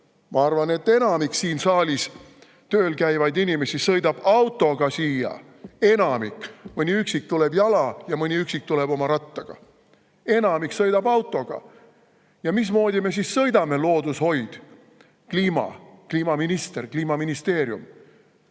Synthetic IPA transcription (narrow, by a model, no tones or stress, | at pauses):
mʔɑɑrvɑne̞t̪ːe̞nɑmiksiːnsɑːlʲis | t̪øːlkæjvɑjd̪inime̞sisɤjd̪̥ɑb̥ɑwt̪ːˑo̞ɡ̥ɑsiːjɑ̰ | e̞nɑmikːˑmɯniyksik̚t̪ule̞bjɑlɑjɑmɯnʲiyksik̚t̪ule̞b̥o̞mɑɾɑt̪ːɑɡ̥ɑ̰ | e̞nɑmiksɤjd̪̥ɑbɑwt̪ːˑo̞ɡ̥ɑ̰ | jɑmis̬mo̞ːd̪ʲime̞s̬isːɤjd̪ɑme̞lo̞ːd̪usho̞jd̪̥ | kliːmɑ̰kliːmɑminist̪erkliːmɑminist̪e̞ːɾjṵm